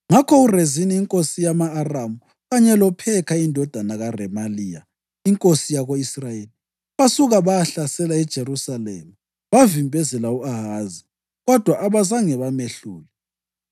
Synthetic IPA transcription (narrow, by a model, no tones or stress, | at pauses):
ŋakʰɔureziniːŋkʼosijamaːramu | ɣaɲɛlɔpʰɛkʰaindʱɔd̥ʱanaɣarɛmaliːja̰ | iŋkʼosijaɣoisrajeli | βasuɣaβajaɬasɛlaɛd̥ʒ̥ʱerusalɛ̰ma | βavimbʱɛzɛlauaɦazi | ɣɔd̥ʱwaʔaβazaŋɛβameɬṵːlɛ